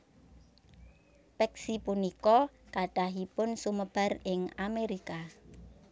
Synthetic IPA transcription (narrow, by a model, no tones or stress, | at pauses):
pɛksipunikɔkaɖ̥aɦipʊnsuməb̥a̤rɪŋameɾika